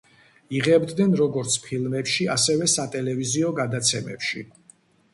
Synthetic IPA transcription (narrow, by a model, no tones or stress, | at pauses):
iʁɛbd̪nɛnɾɔɡɔɾt̪sʰpʰilˠmɛpʃiasɛvɛsat̪ʼɛlɛviziɔɡad̪at̪sʰɛmɛ̰pʃi